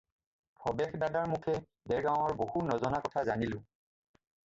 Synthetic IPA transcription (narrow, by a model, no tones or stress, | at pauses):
pʰɹɔbɛxdadaɹmukʰɛ | dɛɹɡaw̃ɔɹbohunɔzɔnakɔtʰazanilʊ̃